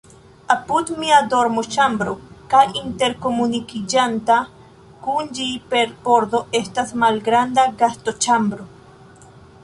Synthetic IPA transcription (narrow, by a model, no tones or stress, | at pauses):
apud̪miado̞ɾmot͡ʃambɾo̞kajinte̞ɾko̞munikid͡ʒanta | kund͡ʒipe̞ɾbo̞ɾd̪o̞ʔe̞stasmalɡɾandaɡasto̞t͡ʃambɾo̞